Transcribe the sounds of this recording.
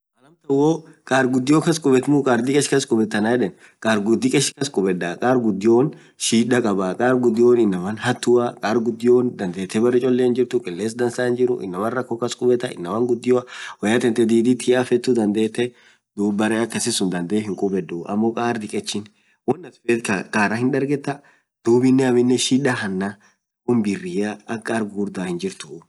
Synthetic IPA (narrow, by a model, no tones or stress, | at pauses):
ɐlɐmt̪ɐwoːkʼaːɾɡʊd̪ːɪjoːkɐskʼʊbɛt̪nukʼaːɾd̪ɪkʼɛʃkɐskʼʊbɛt̪ːɐnaɛᶑɛn | kʼaːɾɡʊd̪ːɪkʼɛʃkɐskʼʊbɛd̪ːakʼaːɾɡʊd̪ːɪjoːn | ʃiːᶑɐkʼɐbakʼaːɾɡʊd̪ːɪjoːnɪnːɐmɐnhɐt̪ːʊɐkʼaːɾɡʊd̪ːɪjoːnd̪ɐnd̪eːt̪ːɛbɐrːɛt͡ʃʼɔlːehɪnd͡ʒɪɾt̪ʊkʼɪlːeːsd̪ɐnsaːhɪnd͡ʒɪɾʊ̰ʔɪ̰nːɐmɐnrːɐkːoːkɐskʼʊbɛt̪ːɐɪ̰nːɐmɐŋɡʊd̪ːɪjʊɐwɐjat̪ɛnt̪ɛd̪iːd̪ɪt̪ʰɪafɛt̪ːʊd̪ɐnd̪eːt̪ːɛ | d̪uːbɐɾɛɐkːesɪsʊnd̪ɐnd̪eɦɪŋkʼʊbɛd̪uɐ̰mːokʼaːɾd̪ɪkʼɛt͡ʃːɪn | wɔnːɐt̪ʊ̥fekɐkʼaːɾɐhɪnd̪ɐɾɡɛt̪ːɐ | d̪̥uːbɪnːɛɐmɪnːɛʃiːᶑɐhɐnːa | ʊnbɪrːɪaɐkʼːaɾɡɡuːɾd̪aːhɪnd͡ʒɪɾt̪ʊ